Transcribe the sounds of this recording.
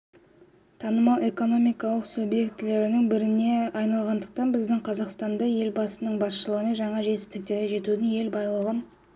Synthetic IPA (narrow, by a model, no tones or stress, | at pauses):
t̪ʰɑnəmɑlˠʔe̞ko̞no̞mijkɑlˠəqsubje̞kt̪le̞ɾɪnɪŋbɪɾɪne̞ɑjnɑlˠʁɑnd̪əq̚t̪ɑnbɪzd̪ɪŋqʰɑzɑqst̪ɑnd̪ɑje̞lbɑsənəɴbɑsʃəlˠəʁəme̞nʒɑɴɑʒe̞t̪ɪ̥st̪ɪk̚t̪e̞ɾɡʲeʒe̞t̪ud̪ɪŋje̞lbɑjlˠəʁən